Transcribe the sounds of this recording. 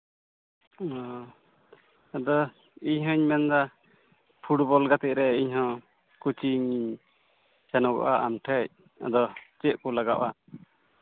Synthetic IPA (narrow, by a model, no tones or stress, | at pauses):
ɔ | ad̪ɔ | iɲɦɔ̃ɲmɛnd̪a | pʰuʈbɔlɡat̪ɛʔ̚ɾɛiɲɦɔ̃ | kut͡ʃiɲiɲ | sɛnɔɡɔ̰ʔaʔamʈʰəc̚ | a̰d̪ɔt͡ʃɛʔkɔlaɡaʔa